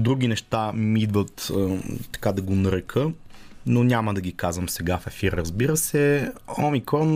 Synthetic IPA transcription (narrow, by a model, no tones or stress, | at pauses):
d̪ɾuɡ̟ʲinɛʃt̪amid̪vət̪t̪ːɐ̥kad̪ɐɡonɐɾɛkʰənonʲaməd̪ɐɡʲikazvəmsɛɡafɛfiɾɾɐzbiɾəsɛɔmikɾɔn